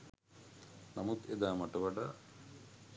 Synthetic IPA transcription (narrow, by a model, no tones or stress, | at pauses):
namut̪ed̪aːmaʈəʋaɖa